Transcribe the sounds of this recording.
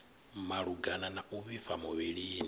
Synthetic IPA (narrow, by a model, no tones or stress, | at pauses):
maɺuɡananaʔuβifamuβiɺini